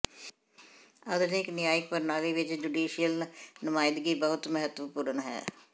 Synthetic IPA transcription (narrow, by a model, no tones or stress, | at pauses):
əd̪ənɪknɪjaːɪk̚pəɾnaːɡiːʋɪt͡ʃd͡ʒuɖiːʃijəlnəmaːɪd̪ɡiːbəɦʊt̪məɦət̪ʋəpuːɾəɳɦɛ̰ː